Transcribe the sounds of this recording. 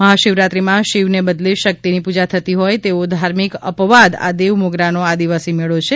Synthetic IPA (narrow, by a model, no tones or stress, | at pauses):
məɦaʃɪʋɾat̪ɾimãʃiʋnebəd̪leʃək̚t̪inipud͡ʒat̪ʰət̪iɦojt̪eod̪ʱaɾmikə̰pʋad̪a̰d̪eʋmoɡɾanoad̪iʋasimeɭot͡ʃʰe